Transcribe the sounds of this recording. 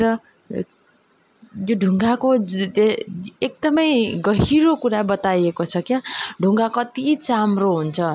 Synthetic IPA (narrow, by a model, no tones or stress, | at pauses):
ɾʌ | joɖʱuŋɡako | ek̚d̪ʌmʌjɡʌɦiɾokuɾabʌt̪ajekot͡sʰʌkjaɖʱuŋɡakʌt̪it͡samroɦunt͡sʰʌ